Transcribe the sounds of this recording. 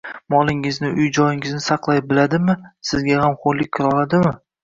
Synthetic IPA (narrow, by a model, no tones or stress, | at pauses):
mɒlˠɪŋɪznɪʔʊjd͡ʒɒjɪŋɪznɪsɑqlˠajbɪlad̪ɪmɪsɪzɡʲahamχolːɪk̚ʲʰːɪɾɒlˠad̪ɪmɪ